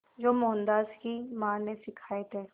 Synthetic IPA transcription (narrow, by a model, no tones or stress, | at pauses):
d͡ʒoːmɔːnd̪aːskimãːnesɪkʰaːet̪ɦɛː